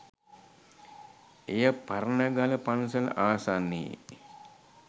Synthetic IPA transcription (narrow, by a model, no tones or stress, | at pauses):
ejɐpɐɾɐnɐɡɐlɐpɐnsɐlaːsaːnːḭː